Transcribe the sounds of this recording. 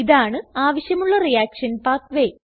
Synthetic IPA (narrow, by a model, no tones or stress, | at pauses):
iðaːɳɨaːʋɐɕjɐmuɭːɐrijaːkʂɐnpaːt̪ʋe